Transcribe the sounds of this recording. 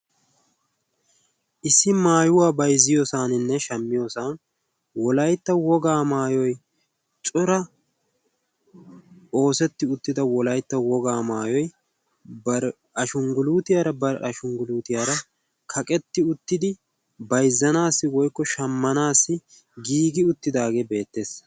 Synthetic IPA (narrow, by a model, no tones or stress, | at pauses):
ʔɪsːɪmaːjʊwaːbɐjzːɪjɔsaːnɪnːɛʃɐmːɪjɔsaːn | wɔlɐjt̪ːɐwɔɡaːmaːjɔj | t͡ʃʼʊɾɐ | o̞ːsɛt̪ːɪʊt̪ːɪd̪ɐwɔlɐjt̪ːɐwɔɡaːmaːjɔj | bɐɾ | ɐʃʊŋɡʊluːt̪ɪjaːɾɐbɐɾʔɐʃʊŋɡʊluːt̪ɪjaːɾɐ | kʰɐkʼɛt̪ːɪʊt̪ːɪd̪ɪ | bɐjzːɐnaːsːɪwɔjkːɔʃɐmːɐnaːsːɪ | ɡiːɡɪʊt̪ːɪd̪aːɡeːbe̞ːt̪ːe̞ːs